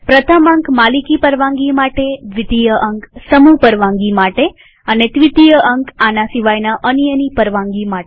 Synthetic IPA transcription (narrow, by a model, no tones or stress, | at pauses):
pɾət̪ʰəmə̃ŋkmalikipəɾʋãŋɡimaʈeʋɪd̪ijəʔəŋksəmupəɾʋãŋɡimaʈe | ənet̪ʋit̪ijəʔəŋkanasiʋajnaʔənjənipəɾʋãŋɡimaʈe